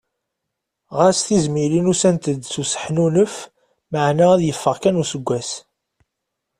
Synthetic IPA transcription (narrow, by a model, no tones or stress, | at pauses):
ʁasθizmilinusænt̪əd̪susə̥ħnunəf | məʕnææðjəfːəʁkænusəɡʷːæs